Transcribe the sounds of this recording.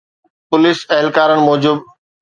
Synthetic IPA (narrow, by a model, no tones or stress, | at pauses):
pʊlɪsɐɦɪlkaːɾənɪ̆mɔːd͡ʑub